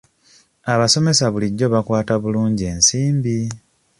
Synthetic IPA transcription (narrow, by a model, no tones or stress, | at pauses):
aβaso̞me̞saβuliɟːo̞βakwaːtaβuluːɲɟie̞ːnsiːmbi